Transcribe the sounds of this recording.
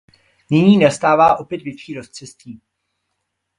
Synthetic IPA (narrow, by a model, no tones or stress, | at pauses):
nɪɲiːnast̪aːvaːʔo̞pjɛt̪vɪpʃiːɾost͡sɛst̪iː